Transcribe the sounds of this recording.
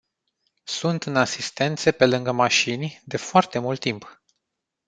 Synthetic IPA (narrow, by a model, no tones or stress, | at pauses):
sunt̪ɨnasist̪e̞nt̪sepe̞lɨŋɡəmaʃinʲd̪e̞foart̪e̞mult̪ːimp